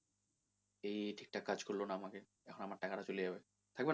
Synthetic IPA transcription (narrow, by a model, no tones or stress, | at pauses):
ejʈʰi̥k̚ʈakad͡ʑkoɾlonaamake | ɛkʰonamaɾʈakaʈat͡ɕolid͡ʑabe | t̪ʰak̚ben